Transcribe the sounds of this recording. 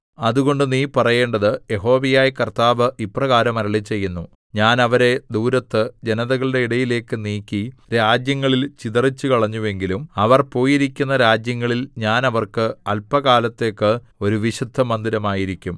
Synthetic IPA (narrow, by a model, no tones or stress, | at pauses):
ɐðuɣo̞ɳɖɨniːpɐrɐje̞ːɳɖɐðɨje̞ɦo̞ːʋijaːjɐkɐrt̪aːʋɨʔiprɐɣaːɾɐmɐɾɐɭit͡ɕːe̞jːunːu | ɲaːnɐʋɐɾe̞d̪uːɾɐt̪ːɨd͡ʑenɐðɐɣɐɭɨɽe̞iɽɐjile̞ːkːɨniːkʲːiɾaːd͡ʑjɐŋːɐɭilt͡ɕiðɐrit͡ɕːukɐɭɐɲːuʋe̞ŋɡilumɐʋɐrpo̞ːjiɾikʲːunːɐɾaːd͡ʑjɐŋːɐɭilɲaːnɐʋɐrkɨɐlpɐɣaːlɐt̪ːe̞ːkːɨ | o̞ɾuʋiɕud̪ʱːɐmɐnd̪iɾɐmaːjiɾikʲːum